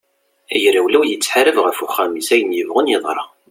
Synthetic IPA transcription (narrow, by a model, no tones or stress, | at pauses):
æjɾæwlæwjət͡sːħaɾəvʁəfuχːæmisæjənjəvʁənjɪðˤɾˤɑ̰